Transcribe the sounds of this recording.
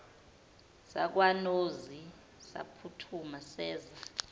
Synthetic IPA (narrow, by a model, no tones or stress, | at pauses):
sak̬wanozi | sa̰pʰutʰumasɛːza